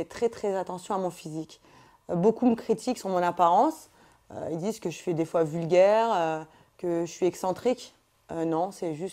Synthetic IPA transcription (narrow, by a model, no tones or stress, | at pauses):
ɛt̪χɛt̪χɛzat̪ɑ̃sjɔ̃amɔ̃fizik | bokuməkχit̪ʰiksɔ̃mɔ̃napaʁɑ̃s | ø̰ild̪izkəʒəfɛd̪efwavylɡʲɛʁø | kəəsɥiɛksɑ̃t̪χik | ønɔ̃sɛʒyst̪